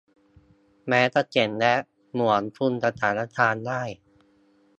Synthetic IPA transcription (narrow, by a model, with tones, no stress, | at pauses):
mɛː˦˥t̪a˥˩t͡ɕe˨˩˦nlɛ˦˥ʔ | mu˨˩˦ənfʰu˧nsa˧t̪ʰaː˩˦na˥t̪ʰaː˧ndaː˥˩j